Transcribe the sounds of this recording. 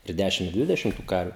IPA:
ɪ ˈdʲæʃʲɪm ɪ ˈdʲʋʲɪdʲɛʃʲɪm tʊ ˈkɐrʲʋʲʊ

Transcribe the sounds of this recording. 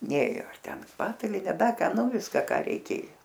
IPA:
ˈnʲeːjoː ɐr ˈtʲɛn ˈpɑːtɐlʲɪnʲɛ ˈdɐ ˈkɐ ˈnʊ ˈʋʲɪskɐ ˈkɑː rʲɛɪˈkʲeːjoː

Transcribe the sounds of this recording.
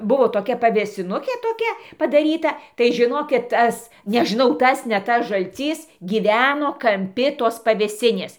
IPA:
ˈbʊʋoː toːˈkʲɛ pɐʋʲeːsʲɪˈnʊkʲeː toːˈkʲɛ pɐdɐˈrʲiːtɐ tɐɪ ʒʲɪˈnoːkʲɪt ˈtɐs nʲɛʒʲɪˈnɐʊ ˈtɐs nʲɛ ˈtɐs ʒɐlʲˈt͡sʲiːs ˈɡʲiːʋʲɛnoː kɐmʲˈpʲɪ toːs pɐʋʲeːˈsʲɪnʲeːs

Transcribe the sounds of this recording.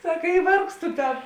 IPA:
ˈsɑːkɐ ɪ ˈʋɐrkstʊ ˈtʲɛn

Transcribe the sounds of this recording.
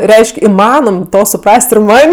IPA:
ˈrʲɛɪʃʲkʲ ɪˈmɑːnoːm ˈtoː sʊˈprɐsʲtʲ ɪr ˈmɐnʲ

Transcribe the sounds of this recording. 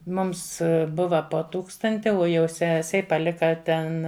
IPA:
ˈmʊms ˈbʊʋɐ poː ˈtuːkstɐnʲtʲɪ oː jɛʊ ˈsʲæːsʲɛɪ pɐˈlʲɪkɐ ˈtʲɛn

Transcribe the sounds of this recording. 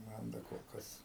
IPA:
ˈmɐn dɐ koːlˠ ˈkɐs

